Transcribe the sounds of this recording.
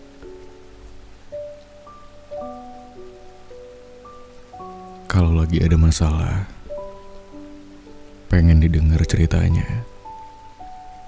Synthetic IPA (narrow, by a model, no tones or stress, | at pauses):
kalawlaɡiadamasala̰h | peŋɛndidəŋart͡ʃəɾit̪a̰ɲa̰